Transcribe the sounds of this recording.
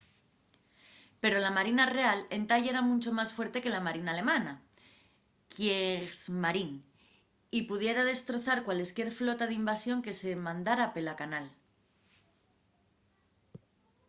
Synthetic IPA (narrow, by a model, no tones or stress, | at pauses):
pe̞ɾo̞lamaɾinare̞ale̞nt̪aʎeɾamũnt͡ʃo̞masfwe̞ɾt̪e̞ke̞lamaɾinaːle̞mana | kjezmaɾin | ipuðje̞ɾað̞e̞st̪ɾo̞θaɾkwale̞skje̞ɾflo̞t̪aðimbasjo̞ŋke̞se̞mãnd̪aɾape̞lakanal